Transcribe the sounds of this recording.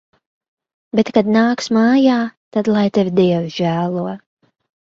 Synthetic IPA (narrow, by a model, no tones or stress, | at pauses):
bet̪kad̪naːksmaːjaːt̪ad̪lˠajt̪evʲd̪iɛwʒ̥æːlˠuɔ